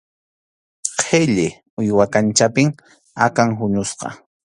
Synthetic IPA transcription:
qʰeʎɪ | ʊjwakant͡ʃapɪŋ | akaŋɦʊɲʊsqɑ̰

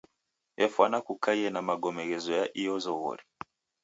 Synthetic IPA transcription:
ɛfwanakukaiɛnamaɡɔmɛɣɛzɔjaʔijɔzɔɣɔ̰ɾi

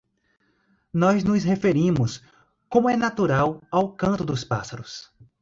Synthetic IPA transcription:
nɔznʊshefeɾĩmʊs | kõmʊɛnat̪uɾawawkɐ̃nt̪ʊd̪ʊspa̰saɾʊs

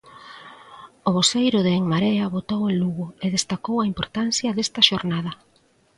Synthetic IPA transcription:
oβosejɾʊðeeŋmaɾeɐβot̪oweluɣʊeðest̪akowɐimpoɾt̪anθjɐðest̪ɐʃoɾnað̞ɐ

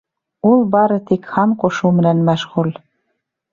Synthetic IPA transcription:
ulbɑɾɤ̆t̪ikxɑnkoʃumɘ̆nænmɑʃɣul

